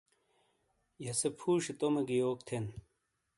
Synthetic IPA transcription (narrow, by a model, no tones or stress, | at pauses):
jɐsepʰuːɕet̪omeɡijoːk̚t̪ʰen